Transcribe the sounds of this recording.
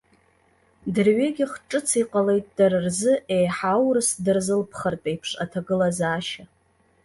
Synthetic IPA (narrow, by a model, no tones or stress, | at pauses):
dɨrɥeɡʲɪχʈ͡ʂʼɨt͡sʰiqʼale̞jtʼd̥aɾɨrzɨʔejħawrɨsdɨrzɨlpʰχərtʼejpʰʂa̰tʰaɡɨlazaːʃa